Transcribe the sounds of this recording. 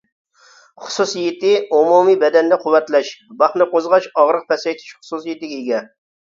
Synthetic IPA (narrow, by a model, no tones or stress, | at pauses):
χʊ̥susjɪt̪ɪumumibɛd̪ɛnd̪ɛqʰʊwːɛt̪lɛʃbɑχnɨqozʁɑt͡ʃɑʁɾəq̚pɛsɛjt̪ʰɪ̥ʃχʊ̥susjɪt̪ɪɡʲiɡʲɛ